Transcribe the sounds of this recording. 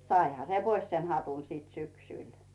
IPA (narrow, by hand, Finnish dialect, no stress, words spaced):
sɑihɑ se pois sen hɑtun siːt syksyˑl